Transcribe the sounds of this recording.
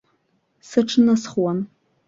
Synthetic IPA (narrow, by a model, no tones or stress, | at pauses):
sɨʈ͡ʂʰnasχwan